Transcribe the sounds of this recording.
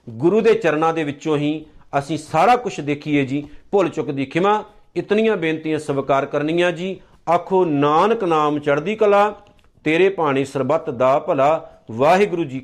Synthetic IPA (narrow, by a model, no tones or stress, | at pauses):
ɡʊɾuːd̪eːt͡ʃəɾnãːd̪eːʋɪt͡ʃõːɦĩːəsĩːsaːɽaːkʊt͡ʃʰd̪eːkʰiːeːd͡ʒiːpʊlt͡ʃʊkd̪iːkʰɪmãː | ɪt̪nɪjãːbẽːnt̪ijãːsəʋkaːɾkəɾnɪːjãːd͡ʒiː | akʰoːnaːnəknaːmt͡ʃəɽd̪iːkəlaː | t̪eːɾeːpaːɽ̃iːsəɾbət̪d̪aːpəlaːʋaːɦeːɡʊɾuːd͡ʒiː